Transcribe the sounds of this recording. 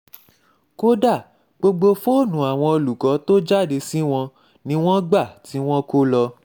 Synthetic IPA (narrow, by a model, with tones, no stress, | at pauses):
ko˦da˦˨ | ɡ͡bo˧ɡ͡bo˧fo˦˨nũ˨˦a˨w̃ɔ̃˧o˧lu˨kɔ˨˦to˦d͡ʒa˦˨de˧si˦w̃ɔ̃˧ | nĩ˦w̃ɔ̃˦ɡ͡ba˦˨ti˨˦w̃ɔ̃˦ko˦lɔ˧